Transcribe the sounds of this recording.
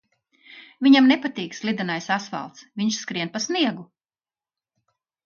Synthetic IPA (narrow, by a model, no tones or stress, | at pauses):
viɲamnɛpat̪iːkslˠid̪anajsasva̰lˠt̪sviɲʃskɾiɛnpasniɛɡu